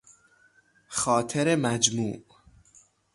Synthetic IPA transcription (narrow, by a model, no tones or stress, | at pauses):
xɒːt̪ʰeɾemæd͡ʒmuːʔ